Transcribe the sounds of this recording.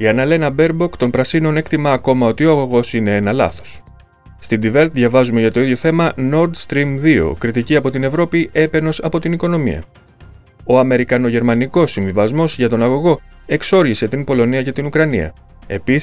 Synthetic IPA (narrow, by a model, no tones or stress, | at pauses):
iɐnɐle̞nɐbe̞ɾbo̞kt̪o̞npɾɐsino̞ne̞kt̪imɐːko̞mɐo̞t̪io̞ɐɣo̞ɣo̞sine̞e̞nɐlɐ̰θo̥s | st̪id̪ive̞lt̪ðʝɐvɐzume̞ʝɐt̪o̞iðʝjo̞θe̞mɐno̞ɾd̪st̪ɾimðio̞̰kɾit̪iciɐpo̞t̪ine̞vɾo̞piʔe̞pe̞no̞sɐpo̞t̪iniko̞no̞mḭɐ̰ | o̞ɐme̞ɾikɐno̞ʝe̞ɾmɐniko̞sːiɱvivɐzmo̞zʝɐt̪o̞nɐɣo̞ɣo̞e̞kso̞ɾʝise̞t̪impo̞lo̞niɐce̞t̪inukɾɐnḭɐ̰ | e̞pis